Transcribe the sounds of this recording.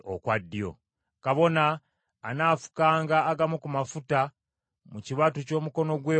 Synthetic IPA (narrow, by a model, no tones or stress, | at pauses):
o̰kwadːijo̞̰ | kaβo̞naː | naːfu̥kaːŋɡaːɡamukumafuta | muciβatuco̞ːmuko̞no̞ɡweː